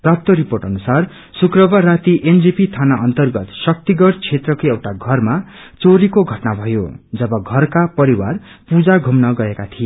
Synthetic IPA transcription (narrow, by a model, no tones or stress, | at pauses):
prap̚t̪ʌɾiporʈʌnusar | sukrʌbarat̪iʔend͡zipit̪ʰanaʔʌnt̪ʌrɡʌt̪sʌk̚t̪iɡʌɽt͡sʰet̪rʌkoewʈaɡʱʌrma | t͡soɾikoɡʱʌʈnabʱʌjo̰d͡zʌbʌɡʱʌrkapʌɾiwa̰rpud͡zaɡʱumnʌɡʌekat̪ʰie